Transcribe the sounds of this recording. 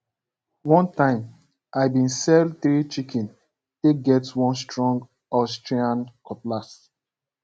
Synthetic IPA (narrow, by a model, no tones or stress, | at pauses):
wɔ̃ntãɪ̃m | ʔajbĩnsɛlθɹit͡ʃikʰɛ̃n | teɡɛtwɔ̃nstɹɔ̃ŋɡ | ɔstɹiãnkɔplas